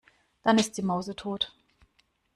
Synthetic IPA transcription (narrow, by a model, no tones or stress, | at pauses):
d̥anɪst̚d̥iːmaʊzətʰoːt